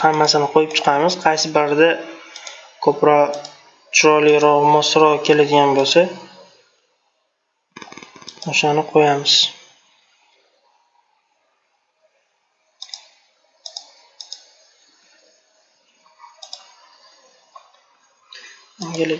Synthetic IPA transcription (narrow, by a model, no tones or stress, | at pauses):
hamːasɪnɪqʰojɪp̚t͡ʃʰɨ̥qʰɑmɪz̥qʰɑjsɪbaɾd̪a | kʰɵpɾɒ | t͡ʃʰʊɾɒlɪɾɒʁmɒsɾɒkʲʰe̞lad̪ɪɡʲanbolsa | oʃanɪqʰojamɪz̥ | ŋʲal